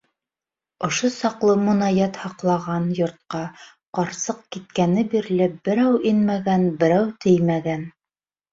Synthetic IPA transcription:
ŏʃosɑqlˠɤmŏnɑjæt̪hɑqlˠɑʁɑnjŏɾt̪̚qɑ | qɑɾsɤq̚kit̪̚kænɘbiɾlɘp̚b̥ɘ̆ɾæwinmæɡænbɘ̆ɾæwt̪ʰɘjmæɡæn

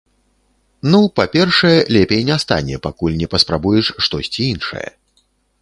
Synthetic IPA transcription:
nupapʲɛrʂɐjɛlʲɛpʲejnʲɛst̪a̰nʲɛ̰pakulʲnʲɛpɐspɾabujɛʂʂt̪ɔsʲt͡sʲiinʂɐ̰jɛ̰

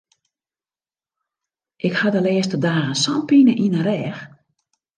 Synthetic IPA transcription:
ʔɪkhadəlɛːəstədaːɣənsɔmpinəʔinəɾɛːx

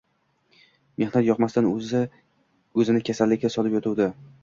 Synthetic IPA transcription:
me̞hnat̪jɒqmast̪anozɪ | ɵzɪnɪkʲʰasalːɪkʲasɒlɪpjɒt̪ʰud̪ɪ

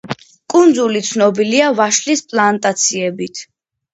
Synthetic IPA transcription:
kʼund̪zulit̪sʰnɔbiliavaʃlispʼlˠant̪ʼat̪sʰiɛbit̪ʰ

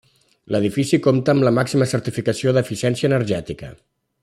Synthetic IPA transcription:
ləðifisikomt̪əːmləmaksiməsəɾt̪ifikəsioðəfisɛnsiəːnəɾʒɛt̪ikə̰

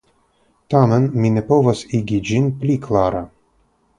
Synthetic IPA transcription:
t̪amənminɛpovasiɡʲid͡ʒinplʲikʰlˠaɾa

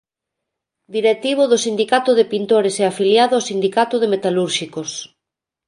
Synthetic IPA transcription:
d̪iɾek̚t̪iβʊðʊsind̪ikat̪ʊðepint̪oɾeseafiljaðʊawsind̪ikat̪ʊðemet̪aluɾʃikos

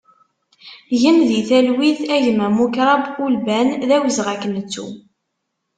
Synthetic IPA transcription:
ʝəmðiθælwiθæʝəmːæmukɾˤɑbulbænðæwəzʁækːənət͡sːṵ

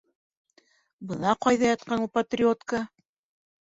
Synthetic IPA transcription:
bɤ̆nɑqɑjðɑjɑt̪̚qɑnupɐt̪rʲɪot̪kə

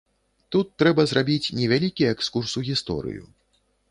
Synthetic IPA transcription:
t̪ut̪ːɾɛbɐzrabʲit͡sʲnʲɛvʲalʲikʲijɐɛkskursuɣʲist̪ɔ̰ɾɨ̰jṵ

